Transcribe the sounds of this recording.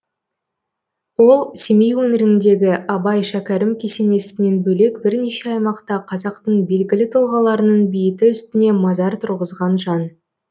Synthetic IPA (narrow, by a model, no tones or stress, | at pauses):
wo̞lˠse̞me̞jwɵnɪɾɪnd̪e̞ɡʲɪʔɑbɑjʃækʲæɾɪmkʲʰe̞se̞ne̞sɪne̞nbɵle̞kbɪɾneʃe̞ɑjmɑqt̪ɑqʰɑzɑqt̪əɴbe̞lɡʲɪlɪt̪ʰʊlˠʁɑlˠɑɾənəɴbɪjɪt̪ɪʏst̪ɪne̞mɑzɑɾt̪ʰʊɾʁəzʁɑnʒɑn